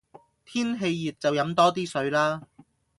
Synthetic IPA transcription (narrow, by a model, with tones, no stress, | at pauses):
t̪ʰiː˥nɦe˧jːiː˨t̚t͡sɐ˨wjɐ˨˥mt̪ɔː˥t̪iː˥sɵ˨˧˥ɥlaː˥